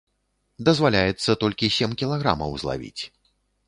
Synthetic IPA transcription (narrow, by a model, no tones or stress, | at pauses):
d̪ɐzvalʲajɛt̪sːɐt̪ɔlʲkʲisʲemkʲilˠaɣɾa̰mɐ̰wzlˠa̰vʲḭt͡sʲ